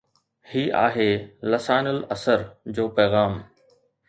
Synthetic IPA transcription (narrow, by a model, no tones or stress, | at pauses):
hiːʔa̰ːɦeːlɐsaːnʊlɐsəɾd͡ʑoːpɛːɣaːm